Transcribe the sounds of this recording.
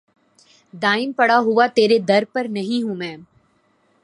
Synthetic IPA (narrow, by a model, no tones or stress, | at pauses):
d̪aːɪmpɐɽaɦʊat̪eːɾed̪ɐɾpɐɾnɐɦĩɦũmɛ̃ː